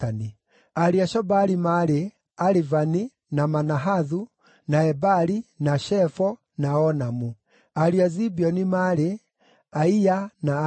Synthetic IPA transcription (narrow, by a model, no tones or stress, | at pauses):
ani | aɾiaʃɔbaɾimaɾe | aɾivani | namanaɦaðu | naɛbaɾinaʃɛfɔ | naɔnamu | aɾiazibiɔnimaɾe | aiana